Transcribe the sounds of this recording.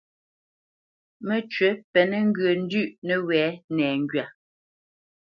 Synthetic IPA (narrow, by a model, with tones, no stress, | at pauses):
mə˨t͡ʃɥə˨˦pɛ˨nɛ˦ŋ̩˦ɡɰə˨n̩˦dʉ˦˨ʔnə˦wɛː˨˦nɛː˨ŋɡɥa˨